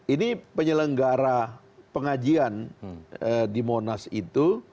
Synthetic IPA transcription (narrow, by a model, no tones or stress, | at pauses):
inipəɲələŋɡaɾa | pəŋad͡ʒian | ədimonasḭt̪u